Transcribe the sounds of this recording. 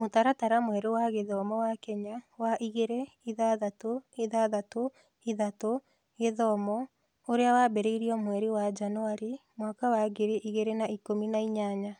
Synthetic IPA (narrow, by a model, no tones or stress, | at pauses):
motaɾataɾamwɛɾewaɣeðɔmɔwakɛɲawaʔiɣeɾe | iðaðatoeðaðato | eðato | eðɔmɔ | oɾeawabɛɾeiɾiɔmwɛɾiwad͡ʒanoaɾimwakawaɣeɾeʔiɣeɾenaikominaiɲaɲa